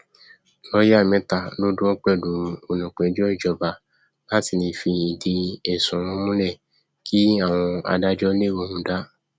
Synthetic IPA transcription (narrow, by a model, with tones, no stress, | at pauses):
lɔ˦ja˦˨mɛ̃˧˦ta˨lo˦dũ˦ɔ̃˦k͡pɛ˦˨du˨o˨nũ˨k͡pɛ˨˦d͡ʒɔ˦˨d͡ʒɔ˧ba˨ | la˦ti˦˨nĩ˧˦fi˧i˨di˧ɛ˨sũ˨ũ˧˦mũ˦lɛ˦˨ | kʰi˦a˦˨w̃ɔ̃˧a̰˧da˦d͡ʒɔ˦le˦˨wõ˧˦hũ˨˦da˦